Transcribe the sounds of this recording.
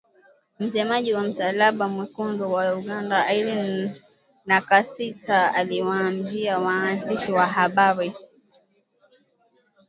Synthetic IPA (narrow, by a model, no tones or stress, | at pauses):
m̩sɛmaʄiwam̩salaɓamwikuŋɡɔwauɡandaaiɾin | nakasitʰaaliwaːmbiawaːndiʃiwaɦaɓaɾi